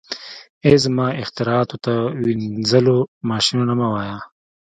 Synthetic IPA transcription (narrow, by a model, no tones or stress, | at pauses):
ezmɑːɪxt̪ɪɾɑːt̪ot̪awinzəlomɑːʃinonamawaːja